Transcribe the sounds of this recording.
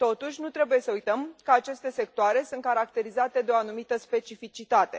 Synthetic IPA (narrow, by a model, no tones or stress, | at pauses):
t̪o̞t̪uʃʲnut̪ɾe̞buje̞səujt̪əmkəat͡ʃe̞st̪e̞se̞k̚t̪oaɾe̞sunt̪̚kaɾak̚t̪e̞ɾizat̪e̞d̪eo̞anumit̪əspe̞t͡ʃifit͡ʃit̪at̪e̞